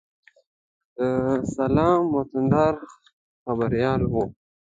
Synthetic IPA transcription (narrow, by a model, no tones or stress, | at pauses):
əsalɑːmːot̪ənd̪ɑːɾ | xabaɾijɑːlɦo